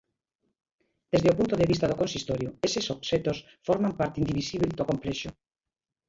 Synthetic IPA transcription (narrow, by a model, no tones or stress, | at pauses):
d̪ezðeopunt̪oðeβist̪aðokonsist̪oɾjoesesopset̪os | foɾmampaɾt̪ind̪iβisiβeld̪okomplɛʃo